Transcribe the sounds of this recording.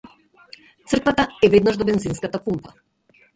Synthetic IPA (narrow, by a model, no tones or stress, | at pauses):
t̪sr̩kvat̪aɛvɛd̪naʒd̪ɔbɛnzinskat̪akumpa